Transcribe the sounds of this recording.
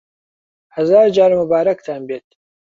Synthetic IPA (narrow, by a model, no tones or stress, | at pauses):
hɐzaːɾd͡ʒaːɾmʊbaːɾɐkt̪ʰaːnbeːt̪